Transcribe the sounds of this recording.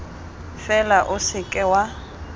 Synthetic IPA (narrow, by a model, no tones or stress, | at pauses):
fɛlaʔʊsɪkʼɛwa